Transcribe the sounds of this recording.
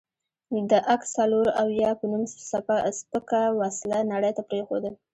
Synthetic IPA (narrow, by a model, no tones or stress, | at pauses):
d̪əʔaksaloɾawjɑpənumssapaspəkawaslanaɽəjt̪apɾexod̪əl